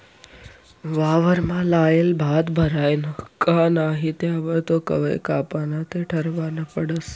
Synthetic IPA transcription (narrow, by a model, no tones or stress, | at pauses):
ʋaːʋəɾmãlaːelbʱaːd̪bʱəɾaːjnəkanaːɦit̪eaʋət̪okə̰ʋḛkaːpaːnat̪ʰeʈʰəɾʋanəpəɽəs